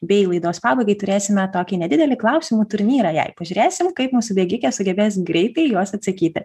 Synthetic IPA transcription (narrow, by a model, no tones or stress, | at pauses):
bʲɛɪlˠɐɪd̪oːspɑːbɐɪɡɐɪt̪ʊɾʲeːsʲɪmʲɛt̪oːkʲɪnʲɛd̪ʲɪd̪ʲɛlʲɪklˠɐʊsʲɪmuːt̪ʊɾʲnʲiːɾɑjɛ̰ɪpɐʒʲʊːɾʲeːsʲɪmkɐɪpmuːsʊbʲɛːɡʲɪkʲɛsʊɡʲɛbʲeːsɡɾʲɛɪt̪ɐɪjoɔsɐt̪ʲsɐkʲiːt̪ʲɪ